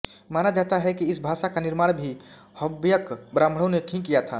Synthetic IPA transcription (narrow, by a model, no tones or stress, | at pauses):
maːnad͡ʒaːt̪aɦɛkiɪsbʱaʃakaniɾmaːɽ̃bʱi | həbjəkbɾãmɽ̤ɔnekʰĩkijat̪ʰa